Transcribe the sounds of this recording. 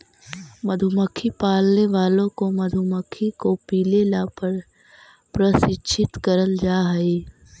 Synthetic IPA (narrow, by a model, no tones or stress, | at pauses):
məd̪ʱuməkʰːipaːlneʋaːlõkomɐd̪ʱuməkʰːikopiːlelapəɾ | pɾəsɪt͡ʃʰɪt̪kəɾəld͡ʒaːɦəe